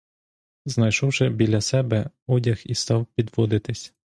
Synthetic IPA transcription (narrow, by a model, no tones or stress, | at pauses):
znɐjʃɔwʃɛbʲilʲɐsɛbɛ | ɔdʲɐxist̪ɑwpʲid̪ʋɔd̪ɪt̪ɪsʲ